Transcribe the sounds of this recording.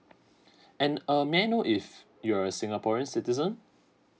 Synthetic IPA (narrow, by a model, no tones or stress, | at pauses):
ɛ̃nəmɛnoʔɪf | juɹəsɪ̃ŋapɔɹiə̃nsɪtizə̃n